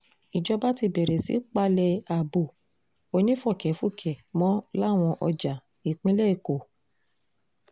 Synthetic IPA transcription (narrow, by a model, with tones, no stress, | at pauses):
i˨d͡ʒɔ˧ba˦ti˧bɛ˨ɾɛ˨sḭ˦k͡pa˧lɛ˧a˨bo˨ | o˧nĩ˦fɔ˦˨kɛ˨˦fu˦˨kʰɛ˨mɔ̃˨˦la˦˨w̃ɔ̃˧ʔɔ˧d͡ʒa˨ | i˨k͡pĩ˦lɛ˦i˨ko˨